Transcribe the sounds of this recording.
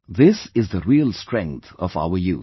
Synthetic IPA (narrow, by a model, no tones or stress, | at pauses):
ðɪsɪzðəɾiːəlsʈɾɛ̃ŋk̚t̪ʰɔfa̰ʊəjuː